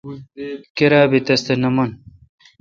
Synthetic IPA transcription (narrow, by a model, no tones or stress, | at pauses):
keɾaːbit̪ɐst̪enɐmun